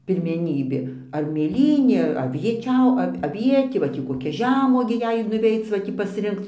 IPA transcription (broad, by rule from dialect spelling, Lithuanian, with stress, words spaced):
pʲɪrʲmʲɛˈnʲiːbʲeː ɐr mʲeːˈlʲiːnʲeː ɐr ɐʋʲiɛˈt͡ʃʲɛʊ ˈɐw ɐˈʋʲiɛtʲeː ʋɐ ˈtʲiː koːˈkʲɛ ˈʒʲæːmuɔɡʲeː ˈjɛɪ ɪr nʊˈʋʲɛɪt͡s ʋɐ ˈtʲiː pɐsʲˈrʲɪŋkt͡s